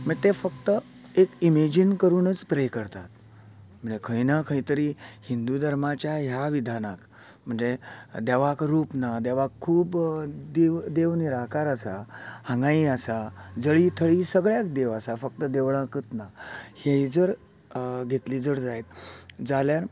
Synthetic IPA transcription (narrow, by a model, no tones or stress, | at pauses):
m̤əɡt̪efəkt̪ə | ekimed͡ʑinkəɾuːnət͡spɾejkəɾt̪at̪ | m̤əɳd͡zekʰəjnakʰəit̪əɾihind̪ud̪ʱəɾmat͡ɕjaɦjaʋid̪ʱanak | m̤əɳd͡zed̪eʋakɾuːpnad̪eʋakʰːuːbd̪eʋd̪eʋniɾakaɾəsahə̃ŋɡãiasad͡zəɭiːt̪ʰəɭisəɡɭjak̚d̪eʋasafək̚t̪əd̪eʋɭãkət̪nahed͡zəɾ | ɡʱet̪liːd͡zəɾd͡zajt̪d͡zaljaɾ